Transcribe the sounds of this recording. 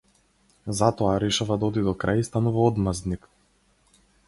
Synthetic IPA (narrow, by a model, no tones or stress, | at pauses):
zat̪ɔaɾɛʃavad̪aɔd̪id̪ɔkɾajist̪anuvaɔd̪mazd̪nik